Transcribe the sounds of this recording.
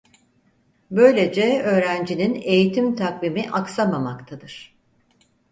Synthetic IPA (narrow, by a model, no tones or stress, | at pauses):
bø̞jlʲe̞d͡ʒɛø̞ːɾænd͡ʒinine̞jit̪ʰimt̪ʰakvimiʔaksamamakt̪ʰad̪ɯɾ̥